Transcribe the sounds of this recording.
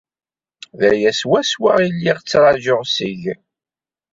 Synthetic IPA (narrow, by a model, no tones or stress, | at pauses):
ðæjæswæswa̰ʁilːiʁt͡sːɾˤɑʒʊʁsiʝ